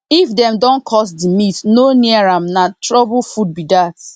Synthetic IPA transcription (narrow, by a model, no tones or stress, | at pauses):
ifdɛ̃mdɔ̃nkʰɔs̬dimitnoniaɹãmnatɹɔbʊfud̚bidat